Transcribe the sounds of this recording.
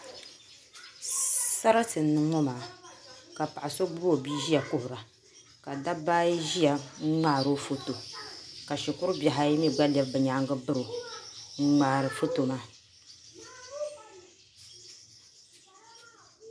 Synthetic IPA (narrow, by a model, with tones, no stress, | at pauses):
sa˦ɾa˦tɨ˨nː˦ɨ˦ŋɔ˦maː˨ka˨pa˨ʔa˨so˦ɡ͡bʊ˦bo˦˨biː˦ʒi˦a˨kʊ˦hʊ˨ɾa˨ | ka˨da˦baː˦ji˦ʒi˦ja˨˦ŋ͡maː˦˨ɾo˦fo˦to˨ka˨ʃi˨kʊ˦ɾɨ˦bja˨ɦa˦i˦mi˦ɡ͡ba˦lɛ˦bbɨ˨ɲaː˨˦ŋɡɨ˦bɨ˦ɾo˨ŋ̩˦ŋ͡maː˨˦˨ɾɨ˨fo˦to˨ma˦